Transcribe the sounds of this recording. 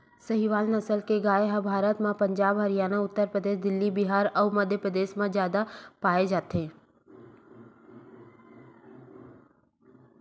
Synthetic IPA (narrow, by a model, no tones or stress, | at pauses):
sɐɦiʋaːlnɐsəlkeɡaːeɦãbʱaːɾət̪mãpɐ̃ɲd͡ʒaːbɦɐɾijaːnaʊt̪ːəɾpɾəd̪eːʃ̬d̪ɪlːibɪɦaːɾɐməd̪ʱjəpɾəd̪eːʃmãzjaːd̪apaːed͡ʒaːt̪ɦeː